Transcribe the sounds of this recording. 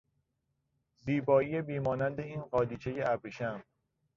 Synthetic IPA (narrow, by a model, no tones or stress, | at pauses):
ziːbɒːijebiːmɒːnænd̪e̞iːnɢɒːd̪iːt͡ʃʰejeæbɾeʃæm